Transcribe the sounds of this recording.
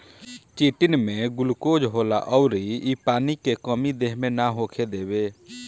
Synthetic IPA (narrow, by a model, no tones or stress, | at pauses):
t͡ʃiːʈɪnmẽɡʊlkoːd͡ʒɦoːla̰ʔɔːɾiipaːnikekəmid̪eːɦmẽnaɦoːkʰed̪eːbeː